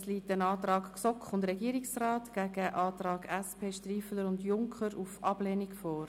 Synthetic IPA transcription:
sliːtənɑːt̪rɑːkksɔkχʊndɾɛɡiəɾɪksrɑːtɡ̥æɡəʔɑːt̪rɑːɡ̥ɛspʰeːʃtriːfələɾʊndjʊŋkʰχəɾufʔɑb̥lɛːnikfɔːɾ

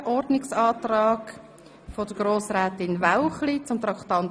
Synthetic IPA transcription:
ʔɔɾdnɪksɑːt̪rɑːɡ̥ | fod̥əɡ̥ɾoːsɾɛːt̪ɪnvaʊχlit͡sʊmt̪ɾɑkt̪ɑn

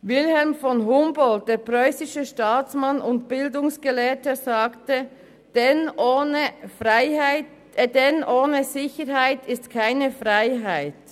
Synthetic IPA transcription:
vɪlhɛlmfɔnɦʊmbɔlt̚d̥eːpʁœʏsɪʃəʃtaːt͡smanʊntb̥ɪldʊŋsɡ̥əlɛːtəzaːktə | d̥ɛnːəfaɪhaɪ | dɛnʔoːnəzɪçəɾɦaɪtɪstkʰaɪnəfʁaɪɦaɪt

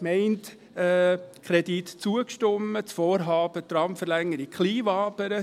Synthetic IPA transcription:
mɛɪntː | kʰχɾɛdit̪t͡suəkʃtʏmːət͡sfɔːɾɦɑːb̥ət̪ɾɑmfəɾlɛŋːəɾiχliːvɑːbəɾə

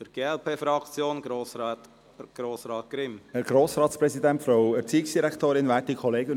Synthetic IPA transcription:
fəɾɡ̥eːɛlpʰeːfɾɑkt͡sjoːnɡɾoːst | ɡ̥ɾoːsɾɑːt̪̚ɡ̥ɾɪmɛɡ̥ɾoːsɾɑːtspɾɛsidɛntfɾaʊɛɾt͡siːɪksd̥iɾɛktoːɾɪnvɛːtikʰɔleːɡən

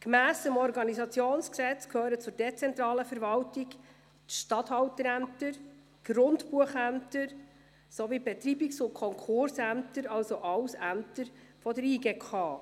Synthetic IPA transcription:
kmæːsəmɔɾɡɑnizɑt͡sjoːnsksɛt͡skʰhøːɾət͡sʊɾdɛt͡sɛnt̪ɾɑːləfəɾvɑltɪɡ | tʃtɑthɑwtəɾæmtəɾ | ɡ̥rʊndpuəχæmtəɾ | sovibɛt̪riːbiksʊnkʰɔŋkʰχʊrsæmt̪əɾɑlsoʔɑwsæmtəɾ | fɔdəɾiːɡeːkʰɑː

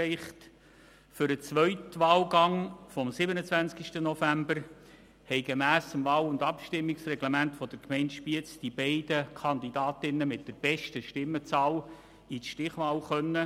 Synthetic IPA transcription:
ɛɪχt | fʏɾət͡sʋœʏtʋɑːlɡɑŋfɔmsɪbənət͡sʋænt͡skiʃtənɔfæmbəɾ | hɛɪɡemæːsəmvɑːlʊndɑpʃtɪmːiksrɛɡləmæntfɔd̥əɾkmɛɪntʃpiət͡sd̥ibɛɪd̥əkʰɑnd̪idɑːtɪnːəmɪt̚d̥əɾb̥ɛʃtəʃtɪmːət͡sɑːl | iʃtɪχʋɑːlχœnːə

